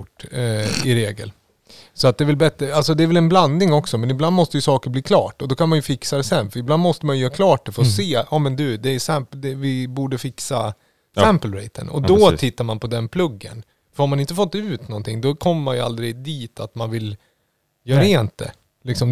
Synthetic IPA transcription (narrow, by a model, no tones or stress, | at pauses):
ʈː | ɪɾeːɡə̰l | sɔat̪̚d̪ɛvɪlbɛt̪ɾəalsɔd̪ɛːɾvɛlɛnbland̪nɪŋɔksɔmɛnɪbland̪mɔst̪əjɵsɑːkəɾbliːkʰlɑ̰ːʈɔd̪ɔkʰanmanjɵfɪksad̪ɛsɛnːfœɾɪbland̪mɔst̪əmanjʏjœːɾakʰlɑːʈ̚d̪ɛfəɾɔseːɑːmɛnd̪ʉ̟d̪ɛːsɛmpd̪ɛvɪbuːɖəfɪksa | sæmpəlɾɛɪt̪ʰə̰nɔ̰d̪ɔt̪ʰɪt̪ːaɾmanpʰɔd̪ɛnpʰlɵɡːə̰n | fœɾhaɾmanɪnt̪əfɔt̪ːʉ̟ːt̪nɔnt̪ʰɪŋd̪ɔkʰɔmːəmanjəa̰ld̪ɾɪd̪iːt̪ʰat̪manvɪl | jœːɾaeːnt̪̚d̪ɛ̰ | lɪksɔm